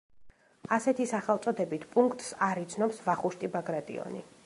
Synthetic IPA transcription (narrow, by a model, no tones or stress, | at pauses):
asɛt̪ʰisaχɛlˠt̪sʼɔd̪ɛbit̪ʰpʼuŋkʰt̪ʼsaɾit̪sʰnɔpsvaχuʃt̪ʼibaɡɾat̪ʼḭɔ̰nḭ